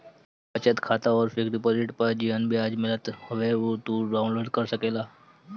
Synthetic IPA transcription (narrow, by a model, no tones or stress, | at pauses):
pət͡ʃət̪kʰat̪aɔːɾfɪkɾipolɪʈpəɾd͡ʒiʋənbʱiad͡ʒmɪlət̪hʊʋeʋot̪uɖaʊ̃nloːɖkəɾsəkelaː